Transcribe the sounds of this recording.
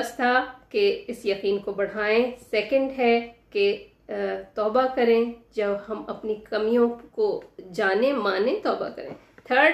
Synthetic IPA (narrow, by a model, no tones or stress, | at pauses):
ɐst̪ʰakeɪsjɐqiːnkobɐɽ̤aːẽsɛːkə̃ɳɖɦɛke | t̪ɔːbakɐɾẽd͡ʒɐbɦɐmɐpnikɐmijõkod͡ʒaːnẽmaːnẽt̪ɔːba̰kɐ̰ɾḛ̃ː | t̪ʰəːɾɖ